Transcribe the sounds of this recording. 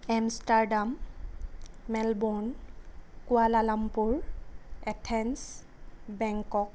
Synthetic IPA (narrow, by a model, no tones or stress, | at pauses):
amstaɹdam | ɛlbon | kʊalalampuɹɛtʰɛns | bɛŋkɔk̚